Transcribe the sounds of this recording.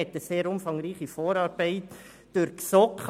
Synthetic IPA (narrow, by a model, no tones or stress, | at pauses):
ɛt̪əseːɾʊmfɑŋɾiːχifoːɾɑːɾbæɪt | d̥ʊɾksɔkχ